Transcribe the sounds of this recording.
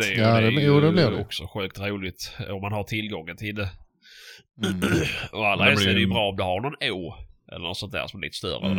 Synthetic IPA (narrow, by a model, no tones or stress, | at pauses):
ɛaɛjuːd̪ɛbliɔksɔɧʉ̟ːk̚t̪ɾuːlɪt̪ɔmːanɦaʈʰɪlɡɔŋːənt̪ʰɪld̪ɛ | ɔalːasɛdɛjəbɾɑːɔmd̪ɵhaɾɳɔneːɛ̰lːənɔt̪sɔnt̪d̪æ̰ɾʂɔmɛlḭt̪əst̪œ̰ɾə̰